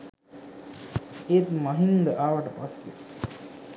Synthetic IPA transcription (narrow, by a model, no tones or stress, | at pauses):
et̪mɐɦind̪əʔaːʋɐʈəpasːḛ